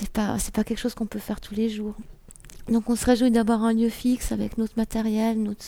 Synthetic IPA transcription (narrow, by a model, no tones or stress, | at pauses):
sɛpa̰sɛpakʲɛlkʃozkɔ̃pøfɛʁt̪ʰuleʒuːʁ | d̪ɔ̃kɔ̃səʁeʒuid̪avwaʁɛ̃ljøfiksavɛ̰knot̪χmat̪ɛʁjɛlnot̪χ